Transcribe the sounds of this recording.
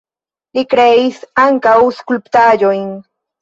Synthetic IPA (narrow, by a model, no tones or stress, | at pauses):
lɪkɾesaŋkauskʊlpt̪aʎojŋ